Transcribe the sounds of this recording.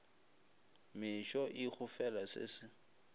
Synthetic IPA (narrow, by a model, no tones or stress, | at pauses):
mɪʃɔʔɪk͡xʊfɛlasɪ̰sɪ